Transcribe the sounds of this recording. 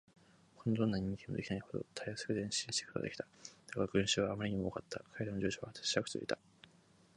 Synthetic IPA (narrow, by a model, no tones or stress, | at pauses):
ko̞nod̪õ̞nːaɲ̟ĩŋkʲeimod̪e̞kʲinaiho̞d̪o̞̰t̪ʰajosɨ̥kɯ̟d̪ẽ̞ɕĩɕi̥t̪e̥kɯ̟t̪a̰d̪ekʲi̥t̪ḁd̪̥akaɡɯ̟̃ɰ̃ɕɨːβaːmaɾʲiɲ̟imo̞okat̪ːakʰaeɾanod͡ʑoːɕoβat̪ḁɕi̥ɾakɯ̟̥t̪o̰ḭt̪a